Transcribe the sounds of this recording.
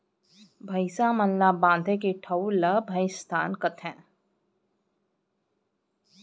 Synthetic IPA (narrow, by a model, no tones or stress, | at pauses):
bʱəɪsamənlabãːnd̪ʱẽkeʈʰəwləbʱəɪst̪ʰaːnkət̪ʰɦɛ̃ː